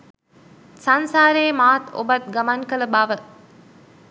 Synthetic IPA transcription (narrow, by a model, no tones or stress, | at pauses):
sɐnsaːɾeːmaːt̪o̰bɐt̪̚ɡɐmaŋkələbaʋə